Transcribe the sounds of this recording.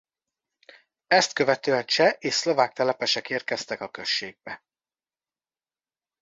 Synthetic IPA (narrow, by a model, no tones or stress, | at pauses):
ɛst̪kø̞vɛt̪øːɛnt͡ʃɛʔeːʃslo̞vaːk̚t̪ɛlɛpɛʃɛkeːr̚kɛst̪ɛkɒkø̞ʃːeːɡ̚bɛ